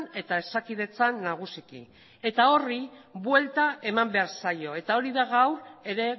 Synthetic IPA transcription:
ne̞t̪ae̞sakið̞e̞t͡sanːaɣ̞usikḭ | e̞t̪ao̞ribwe̞lt̪ae̞mambe̞aɾsajo̞e̞t̪ao̞ɾiðaɣawɾe̞ɾe̞

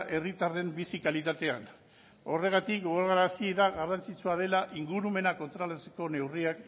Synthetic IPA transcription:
ʔe̞rit̪aɾðe̞mbisikalit̪at̪e̞an | o̞re̞ɣ̞at̪ik̚ɡoɣoɾɣaɾasiðaɣarant͡sit͡suað̞e̞laʔiŋɡuɾume̞nako̞nt̪ɾalat͡se̥ko̞ne̞wriak

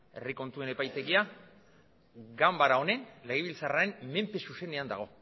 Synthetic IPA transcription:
e̞̰riko̞nt̪ue̞ne̞pajt̪e̞ɣia | ɡambaɾao̞ne̞nle̞ɣ̞eβilt͡sarae̞nme̞mpe̞suse̞ne̞and̪a̰ɣ̞o̞

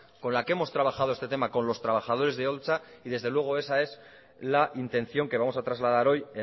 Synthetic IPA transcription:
ko̞nlakee̞mo̞st̪ɾaβ̞axað̞o̞est̪e̞t̪e̞mako̞nlo̞st̪ɾaβaxað̞o̞ɾe̞zðeo̞lt͡saiðe̞zðe̞lwe̞ɣ̞o̞e̞sae̞z | laʔint̪ẽ̞n̟θjo̞ŋke̞βamo̞sat̪ɾazlað̞aɾo̞je

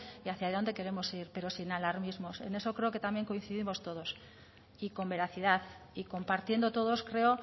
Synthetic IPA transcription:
iaθjaðo̞nd̪e̞ke̞ɾe̞mo̞siɾpe̞ɾo̞sinalaɾmizmo̞se̞̰ne̞so̞kɾe̞oke̞t̪amje̞ŋko̞in̟θiðimo̞st̪o̞ðo̞s | iko̞mbe̞ɾaθiðaθ | iko̞mpaɾt̪je̞nd̪o̞t̪o̞ðo̞skɾe̞o̞

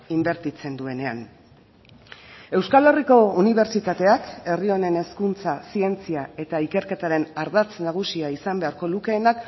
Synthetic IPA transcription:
imbe̞ɾt̪it͡se̞nd̪ue̞ne̞a̰n | e̞wskale̞riko̞uniβ̞e̞ɾt͡ʃit̪at̪e̞ake̞rio̞ne̞ne̞skunt͡sasie̞nt͡siae̞t̪aike̞ɾke̞t̪aɾe̞naɾðat͡snaɣ̞usiaisambe̞aɾko̞luke̞ːnak

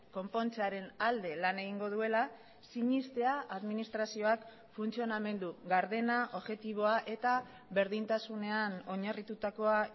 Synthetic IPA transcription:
ko̞mpo̞nt͡seaɾe̞nald̪e̞lane̞ɣ̞iŋɡo̞ð̞ue̞la | siɲist̪e̞aʔaðminist̪ɾasio̞ak | funt͡sio̞name̞nd̪uɣaɾðe̞naʔo̞βʝe̞t̪iβ̞o̞aʔe̞t̪a | βe̞ɾðint̪asune̞ano̞ɲarit̪ut̪ako̞a

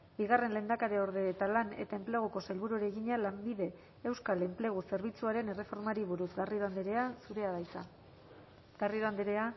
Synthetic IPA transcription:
biɣare̞nle̞ːnd̪akaɾeo̞ɾðe̞ːt̪alanet̪ae̞mpleɣ̞oko̞selβuɾuɾeɣiɲalambiðe̞ː | wskale̞mple̞ɣ̞use̞ɾβit͡suaɾe̞ne̞re̞fo̞ɾmaɾiβuɾuzɣariɾoand̪eɾeasuɾe̞aðajt͡sa | ɡ̥ariɾoand̪eɾea

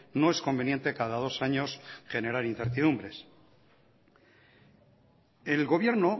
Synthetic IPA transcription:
no̞e̞sko̞mbe̞nje̞nt̪e̞kaðaðo̞saɲo̞sxe̞ne̞ɾaɾin̟θeɾt̪iðumbɾe̞s | e̞lɣo̞βje̞ɾno̞

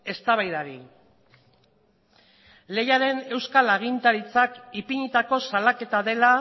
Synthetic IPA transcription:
e̞st̪aβajðaɾi | le̞jaɾe̞ne̞wskalaɣ̞int̪aɾit͡sakipiɲit̪ako̞salake̞t̪aðe̞la

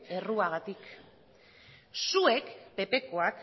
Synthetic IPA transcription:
e̞ruaɣat̪ik | sue̞kpe̞pe̞ko̞ak

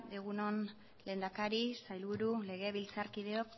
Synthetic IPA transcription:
d̪eɣuno̞n | le̞nd̪akaɾisajlβuɾule̞ɣ̞e̞βilt͡saɾkiðe̞o̞k

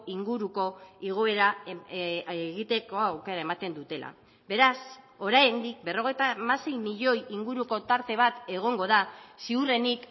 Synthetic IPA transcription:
iŋɡuɾuko̞iɣ̞o̞e̞ɾa | ɣit̪e̞ko̞awke̞ɾae̞mat̪e̞nd̪ut̪e̞la̰ | be̞ɾas | o̞ɾajend̪ik̚be̞ro̞ɣ̞e̞jt̪amase̞jmiʎo̞jiŋɡuɾuko̞t̪aɾt̪e̞βat̪e̞ɣ̞o̞ŋɡo̞ð̞asiure̞nik

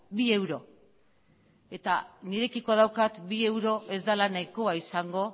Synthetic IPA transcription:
bie̞wɾo̞ | e̞t̪aniɾe̞kikoðawkat̪bie̞wɾo̞ʔe̞zd̪alanajko̞aisaŋɡo̞

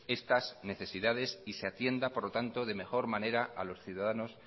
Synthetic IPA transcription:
e̞st̪azne̞θe̞siðað̞e̞siseat̪je̞nd̪apo̞ɾlot̪ant̪oðe̞me̞xo̞ɾmane̞ɾaʔalo̞sθjuðað̞ano̞s

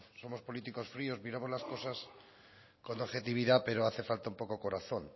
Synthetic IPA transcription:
so̞mo̞spo̞lit̪iko̞sfɾio̞zmiɾamo̞zlasko̞sas | ko̞noxe̞t̪iβ̞iðape̞ɾo̞aθe̞falt̪aumpo̞ko̞ko̞ɾaθo̞n

